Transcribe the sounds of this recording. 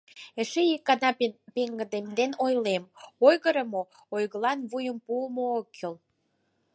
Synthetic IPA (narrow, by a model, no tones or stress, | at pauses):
ĕʃeikːɑnɑpeŋɡə̆d̪emd̪enojlemojɣəɾə̆mo | ojɣəlɑnβujəmpuəmookːel